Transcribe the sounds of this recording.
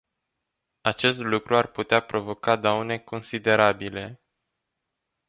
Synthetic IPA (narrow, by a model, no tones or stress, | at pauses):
at͡ʃe̞st̪lukɾuarput̪eapɾo̞vo̞kad̪awne̞ko̞nsid̪e̞ɾabile̞